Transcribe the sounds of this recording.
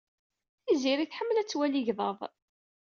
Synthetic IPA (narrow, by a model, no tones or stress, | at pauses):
θiziɾiθħəmːəlæt͡sːwæliʝðˤɑðˤ